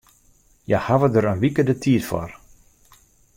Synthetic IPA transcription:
jahaʋədəɾənʋikədətʰiətfɔ̰r

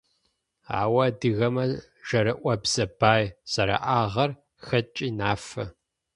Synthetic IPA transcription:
a̰ːwɐdɨɣɐmɐ | ʒ̥ɐɾɨʔʷɐbz̥ɐb̥aːjz̥ɐɾa̰ʔaːʁɐr | xɐt͡ʃʼiːnaːfɐ

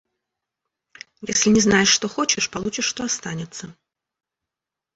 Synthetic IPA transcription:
jɛsʲlʲinʲɛznajɛʂːt̪ɔxɔt͡ɕɪʂpalˠut͡ʃɪʂːt̪ɔast̪anʲɛt̪sːɐ

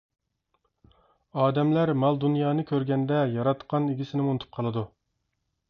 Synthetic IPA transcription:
ɑːd̪ɛmlæɾmɑlˠd̪unjɑːnɨkʲʰøɾɡʲɛnd̪ɛjɑɾɑt̪qɑniɡʲisɪnɪmunɨt̪ʰu̥p̚qʰɑlˠɨd̪u

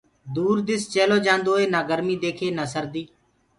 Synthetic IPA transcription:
d̪uːɾd̪ɪst͡ʃeːloːd͡ʒãːnd̪oːeːnaːɡəɾmiːd̪eːkʰeːnəːsəɾd̪iː

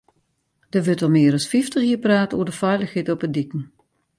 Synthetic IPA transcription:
d̥əʋøtɔmɪːɾɑsfiftəxhiːpraːtəo̰ːədəfœɥləxhetɔpədikən̩

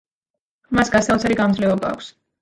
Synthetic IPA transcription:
masɡast̪aɔt̪sʰaɾiɡamd̪zlɛɔba̰ːkʷs

